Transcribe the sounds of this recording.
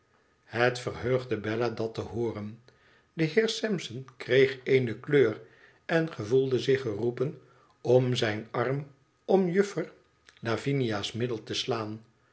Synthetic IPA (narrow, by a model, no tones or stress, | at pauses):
hətfərɦøɥχdəbɛladɑtəɦʊːrən | dəɦɪːɹsɛmsənkrejχejnəkløːr | ɛnχəvulˠdəzɪχərupən | ɔmzɛjnɑrm | ɔmjʏfəɹ | lavinijaːsmɪdəlˠtəslaːn